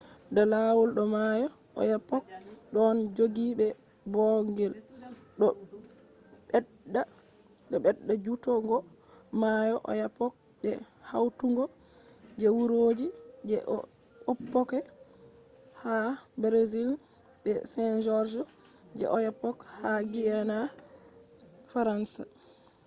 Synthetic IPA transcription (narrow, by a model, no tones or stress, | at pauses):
ndɔlawɔlɗɔmajɔɔ̰japːɔk̚ɗɔnd͡ʒoɡiɓɛ | bɔŋɡɛl | ɗɔ | ɓɛ | ɗa | ɗɔɓɛɗːad͡ʒutɔŋɡɔ | majɔʔɔ̰japɔk̚ | ɓɛ | ha̰wtuŋɡɔ | d͡ʒɛwuɾoːd͡ʒid͡ʒɛ̰ʔɔ̰ | opːɔkɛ | habɾezil | ɓɛsɛnd͡ʒɔɾd͡ʒɔ | d͡ʒɛ̰ʔɔjapɔkhaɡijana | faɾansa̰